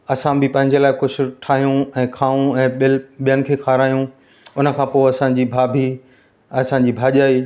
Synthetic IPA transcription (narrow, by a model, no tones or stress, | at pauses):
ɐsãbʱɪpɐ̃ɦɪ̃ɲd͡ʑelaːɪkʊd͡ʑʰʱʊ̆ʈʰaːɦijũɛ̃ːkʰaːũɛ̃ːɓɪɓijənɪ̆kʰeːkʰaːɾaːjũ | ʊnə̆kʰãːpoːɐsãːɲd͡ʑiːbʱaːbʱi | ɐsãɲ̆d͡ʑiːbʱaːʄaːiː